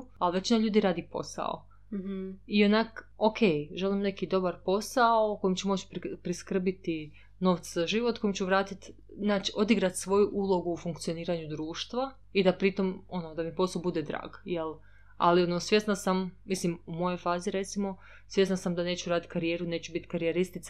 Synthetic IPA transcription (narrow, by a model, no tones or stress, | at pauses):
alʋe̞t͡ʃinaʎuːd̪iɾaːd̪ipo̞̰sa̰o̰ | ionakokʰe̞jʒelimne̞kid̪o̞baɾpo̞saoko̞jimt͡ɕumo̞t͡ʃppɾiskr̩bit̪i | no̞ːʋt̪sazaʒiʋot̪ko̞jimt͡ʃuʋɾaːt̪it̪ | znaːt͡ʃiʔo̞d̪iɡɾat̪sʋo̞juʔulˠo̞ɡuːfuŋkt̪sijo̞niːɾaɲud̪ɾuːʃt̪ʋa | id̪apɾit̪o̞mo̞nod̪amipo̞saobud̪ed̪ɾa̰ːɡjelˠ | a̰lionosʋje̞snasammislimumo̞jo̞jfaːziɾe̞t̪simo̞ | sje̞snasamd̪ane̞ːt͡ʃuɾaːd̪it̪kaɾije̞ːɾune̞ːt͡ʃubit̪kaɾijeɾist̪it̪sa